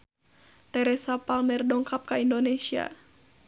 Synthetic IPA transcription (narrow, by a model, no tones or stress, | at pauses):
t̪ɛɾɛsapalmɛrdɔŋkap̚kaindonɛsia̰